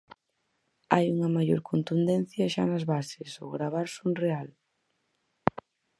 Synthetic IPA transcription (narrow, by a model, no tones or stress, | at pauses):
a̰juŋɐmaʎo̰ɾkont̪und̪ɛn̟θjɐʃanɐzβasɪso̰ɣɾaβ̞aɾsunreal